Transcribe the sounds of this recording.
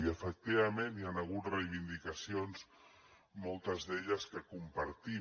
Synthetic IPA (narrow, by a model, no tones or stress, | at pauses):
iəfək̚t̪iβəmenianəɣ̞ut̪rejβind̪ikəsionz | mɔlˠt̪əzðeʎəskəkumpəɾt̪i